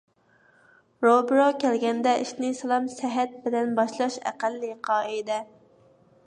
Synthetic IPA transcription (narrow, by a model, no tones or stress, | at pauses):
ɾobɾokʲʰɛlɡʲɛnd̪ɛʔiʃnɪsɨlˠɑmsæɦɛt̪̚bɪlɛnbɑʃlˠɑʃæ̰qælːɨqʰɑːɨd̪ɛ